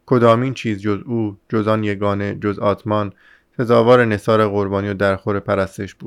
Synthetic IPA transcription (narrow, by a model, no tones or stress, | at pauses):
kʰod̪ɒːmiːnt͡ʃʰiːzd͡ʒo̞zuːd͡ʒozɒːnje̞ɡɒːned͡ʒozɒːt̪ʰmɒːn | fezɒːvɒːɾene̞sɒːɾeɣoɾbɒːnijod̪æɾxoɾepʰæɾæst̪eʃb̥uːd̪̥